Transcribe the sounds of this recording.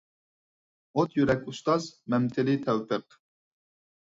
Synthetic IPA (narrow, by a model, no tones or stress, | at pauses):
ot̪jyɾɛkʲust̪ɑzmɛmt̪ʰɪlɪt̪ʰɛwpʰəq